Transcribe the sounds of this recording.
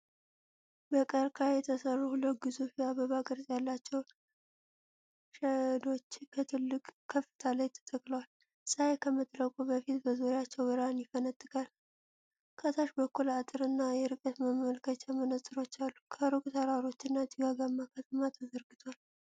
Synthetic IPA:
bəkʼəɾkʰajɛt̪ʰəsərːhuləɡɨzufiaβəβakʼɨɾzʼjalːat͡ʃːɛwn | ʃəd̪o̞t͡ʃːkʰət̪ʰɨlːɨkʼkʰːəfːɨ̥t̪ʰalajt̪ʰə̥t̪ʼəkʼləwal | sʼaekʰəmɨt̪ʼɾəkʼubəfit̪bəzoɾɪjat͡ʃːɛwbɨɾanjɪfənət̪ʼːɨkʼal | kʰət̪ʰaʃbəkːulat̪ʼɨɾɨnːajɛɾɨkʼət̪məmːəlkʰət͡ʃamənət̪ʼːɨɾo̞t͡ʃːalːukʰəɾɨkʼt̪ʰaɾaɾo̞t͡ʃːɨnːad͡ʒ̪ɨɡaɡamːakʰət̪ʰəmat̪ʰazəɾɡɨt̪ʰwal

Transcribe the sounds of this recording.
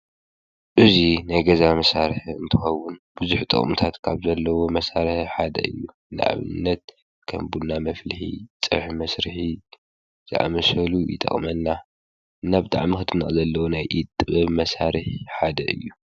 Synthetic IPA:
ʔɨzinajɡɐzamɐsaɾħɨ̰nt̪ʰɨxɐwːʊnbɨzuħt̪ʼɨ̰χʼmut̪ʰat̪kʰaβzɐlːɐwo̞mɐsaɾɨħħad̪ɐ̰ɨ̰jːu | nɨ̰ʔa̰βɨ̰nːɐt̪̚ | kʰɐ̰mbunːamɐflɨħḭt͡sʼɨ̰ħmɐsɾɨħi | z̥ɨʔa̰mɐsɐlujɪ̰t̪ʼɐ̰χʼmɐnːa | ʔɨnːabɨt̪ʼa̰ʕmixɨt̪ʰɨnɨχʼzɐlːɐwonajʔit̪ʼːɨβɐβmɐsaɾɨħħad̪ɐ̰ʔɨ̰jːu

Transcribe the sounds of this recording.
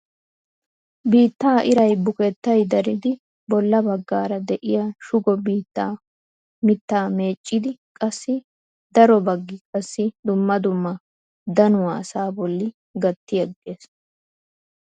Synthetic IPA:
biːt̪ːaːʔɪɾɐjbʊkɛt̪ːɐjd̪ɐɾɪd̪ɪ | bɔlːɐbɐɡːaːɾɐd̪ɛʔɪjaʃʊɡɔbiːt̪ːaː | mɪt̪ːaːme̞ːt͡ʃʼːɪd̪ɪkʼɐsːɪ | d̪̥ɐɾɔbɐɡːɪkʼɐsːɪd̪ʊmːɐd̪ʊmːɐ | d̪ɐnʊwɐːsaːbɔlːɪ | ɡɐt̪ːɪjɐɡːeːs

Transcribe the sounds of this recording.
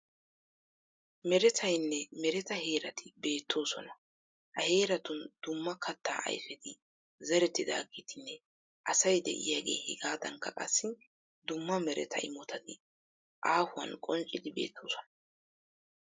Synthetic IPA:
mɛɾɛt̪ʰɐjnːɛmɛɾɛt̪ɐɦe̞ːɾɐt̪ʰɪbe̞ːt̪ʰːo̞ːsɔnɐ | hɐhe̞ːɾɐt̪ʊnd̪̥ʊmːɐkʰɐt̪ːa̰ːʔɐ̰jfɛd̪ɪ | zɛɾɛt̪ːɪd̪a̰ːɡiːt̪ɪnːɛ | ʔɐsɐjd̪ɛ̰ʔɪ̰jaːɡe̞̰ːhɪ̰ɡaːd̪ɐŋkːɐkʼɐ̰sːɪ | d̪ʊmːɐmɛɾɛ̰t̪ʰɐ̰ɪ̰mɔt̪ʰɐt̪ɪ | ʔaːhʊwɐ̰nkʼɔnt͡ʃʼɪd̪ɪbe̞̰ːt̪ʰːoːsɔ̥nɐ̥

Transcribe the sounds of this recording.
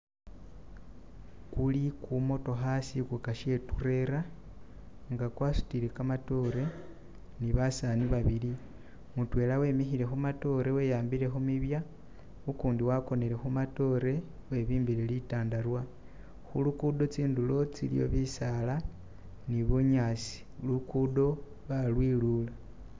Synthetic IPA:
kulikumo̞to̞xasikukaʃe̞ture̞ɾa | ŋɡakwaːsu̥tilekamato̞ɾe̞ | niβasaniβaβili | mutwe̞ːlawe̞mexiɾe̞xumato̞ɾe̞we̞ːjaːmbiɾe̞xumiβja | ukuːndiwako̞ne̞ɾe̞xumato̞ɾe̞ | we̞βiːmbiɾelitaːndaɾwa | xulukudo̞t͡siːndulo̞t͡silḭjo̞̰βisala | niβuɲaːsi̥ | lukudo̞ | βalwilula

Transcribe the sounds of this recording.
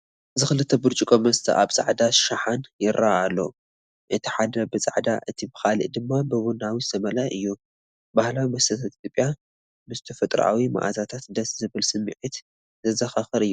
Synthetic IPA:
ɨzɨxɨlɨt̪ʰːɐbɨɾt͡ʃʼikʼomɐst̪ʰɐ̰ʔa̰βt͡sʼa̰ʕd̪aʃaħanjɪɾʔaalːo̰ | ʔɨt̪ʰi̥ħad̪ɐbɨt͡sʼa̰ʕd̪aʔɨt̪ʰibɨxalḭʔd̪ɨmːabɨβunawizɨt̪ʰɐmɐlajʔɨjːu | bahlawimɐsɐt̪ʰat̪ʼit̪ʰʲjopʼja | mɨst̪ʰɐfɐt̪ʼɾ̰ʔa̰wima̰ʔazat̪ʰat̪d̪ɐszɨβɨlsɨmːḭʕit̪ | zɐzɐxaxɨɾɨjːu

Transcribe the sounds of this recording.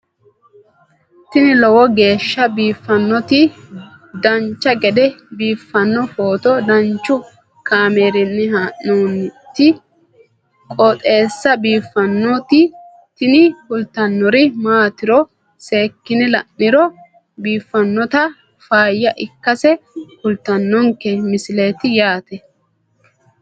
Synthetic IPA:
t̪ɪnɪlɔwɔɡe̞ːʃːɐbiːfːɐnːɔt̪ɪ | d̪ɐnt͡ʃːɐɡɛd̪ɛbiːfːɐnːɔfoːt̪ɔd̪ɐnt͡ʃːʊ | kaːmeːɾɪnːɪɦaːʔuːnt̪ːɪ | kʼɔt̪ʼe̞ːsːɐbiːfːɐnːɔt̪ɪ | t̪ɪnɪhʊlt̪ɐnːɔɾɪmaːt̪ɪɾɔ | se̞ːkːɪnɪlɐnːɪɾɔ | biːfːɐnːɔt̪ɐ | faːjːɐʔɪkːɐsɛhʊlt̪ɐnːɔŋkːɛmɪsɪle̞ːt̪ɪjaːt̪ɛ

